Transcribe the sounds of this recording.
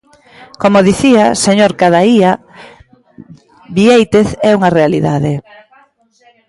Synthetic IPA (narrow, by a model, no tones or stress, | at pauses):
komoðiθiaseɲoɾkaðaia | βiejt̪eθɛuŋarealiðaðe